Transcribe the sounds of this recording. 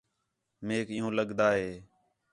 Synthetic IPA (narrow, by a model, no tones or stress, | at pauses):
meːkɪ̃ːɦõːləɠd̪aːɦeː